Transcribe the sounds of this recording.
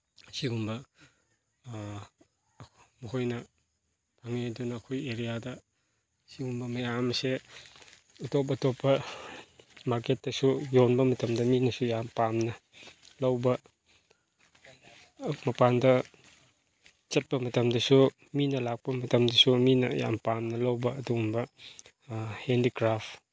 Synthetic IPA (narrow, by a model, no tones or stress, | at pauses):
siɡumbɐ | muhojnɐ | pʰaŋedunɐːkʰojeɾijadɐ | siɡumbɐmɐjamse | utop̬ɐtopːɐ | maɾket̚dɐsujonbɐmɐtɐmdɐminɐsujampamnɐlɐwbɐ | mɐpandɐ | t͡ʃɐt̚pɐmɐtɐmdɐsu | minɐlak̚pɐmɐtɐmdɐsuminɐja̰mpamnɐlɐwbɐɐduumbɐ | hendikɾap